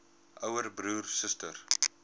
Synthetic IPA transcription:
ʔəwərbɾuːrsəstər

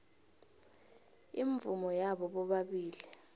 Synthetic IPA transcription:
iɱvumɔjaɓɔɓɔɓaɓiːli

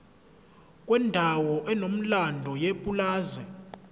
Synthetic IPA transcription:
kʼwɛndʱawɔʔɛnom̩landʱɔjepʼulaːzɛ

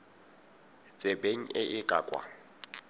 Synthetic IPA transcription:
t͡sʼebeŋ̩ɪʔɪkʼa̰kʼwa̰ŋ̩

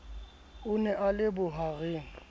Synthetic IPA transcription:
ʊnɛʔalɪbʊɦaɣeːŋ̩

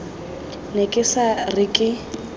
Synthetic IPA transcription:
nekʼɪsarɪkʼɪ

